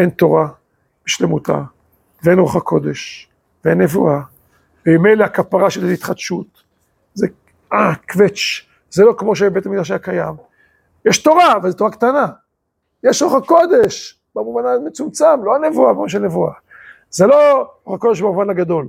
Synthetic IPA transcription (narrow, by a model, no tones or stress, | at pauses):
ʔent̪o̞ʁa | b̥eʃlemut̪a̰ | veenʁoχakʰo̞d̪e̞ʃ | veenːevua | veimejleakapaʁaʃeleit̪χad̪ʃut̪ | ze | akvet͡ʃ | z̥elo̞kmo̞ʃ̬ebetamid̪aʃajakajam | jeʃt̪o̞ʁavezet̪o̞ʁakt̪ana | jeʃʁoχako̞d̪e̞ʃ | bamuvanamet͡sumt͡samlo̞ane̞vuabmaʃelnevua | zelo̞ʁoχakodeʃbamuvanaɡad̪o̞l